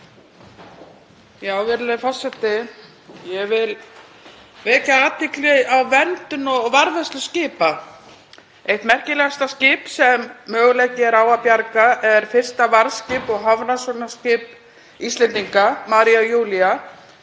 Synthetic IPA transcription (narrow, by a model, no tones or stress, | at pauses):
jaːwvɛɾlaðɪfɔr̥t̪sɛt̪ːɪ | jɛvɪl | vɛːcaaːt̪ːɪklɛawvɛnt̪ʏnɔvaɾvɛst̪lʏscɪːpa | ejht̪mɛr̥cɪlɛɣast̪ascɪːpsɛmːœːɣʏleːjcɪɛɾaːwapjaɾkaʔɛɾ̥fɪr̥st̪avaɾðscɪːpɔɣɦavnasɔnascɪːp | ist̪lɛnt̪iŋkamaːɾiajuːlia